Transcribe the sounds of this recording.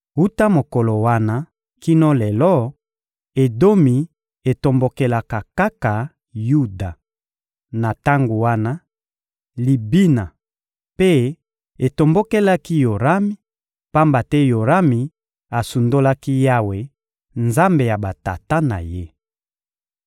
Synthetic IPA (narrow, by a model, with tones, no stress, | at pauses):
u˦ta˦mo˨ko˨lo˨wa˦na˦ | ki˦nɔ˦lɛ˨lɔ˦ | e˨do˦mi˨ | e˨to˨mbo˨ke˨la˨ka˨ka˦ka˨ | ju˦da˨ | na˨ta˦ŋɡo˨wa˦na˦ | li˨bi˦na˨ | pe˦ | e˨to˨mbo˦ke˦la˦ki˦jo˨ʁa˦mi˦ | pa˦mba˨tɛ˦jo˨ʁa˦mi˨ | a˨su˨ndo˦la˦ki˦ja˦we˨ | nza˦mbe˨ja˨ba˨ta˨ta˦na̰˨je˦